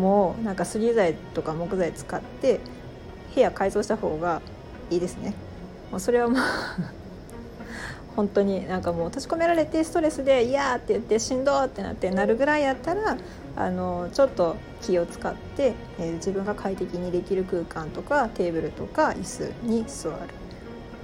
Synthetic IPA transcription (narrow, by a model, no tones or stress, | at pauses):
moːnãŋkasɨɾʲizait̪o̞kamo̞kɯ̟zait͡sɨ̥kat̪ːe̞ | he̞jakaizo̞ːɕi̥t̪aho̞ːɡa | iːd̪e̞sɨne̞ | moːso̞ɾe̞β̞amaː | hõ̞nt̪o̞ɲ̟inãŋkamo̞ːt̪ot͡ɕi̥ko̞me̞ɾaɾe̞t̪e̞sɨ̥t̪o̞ɾe̞sɨd̪e̞ijat̪ːe̞jɯ̟t̪ːe̞ɕĩnd̪o̞ːt̪ːe̞na̰t̪ːe̞naɾɯ̟ɡɯ̟ɾaijat̪ːaɾa | a̰no̞t͡ɕo̞t̪ːo̞ | kʲio̞t͡sɨ̥kat̪ːe̞ | d͡ʑibɯ̟̃ŋɡakʰait̪e̞kʲiɲ̟id̪e̞kʲiɾɯ̟kɯ̟ːkãnt̪o̞kat̪e̞ːbɯ̟ɾɯ̟t̪o̞kaisɨ̰ɲ̟isɨβa̰ɾɯ̟̥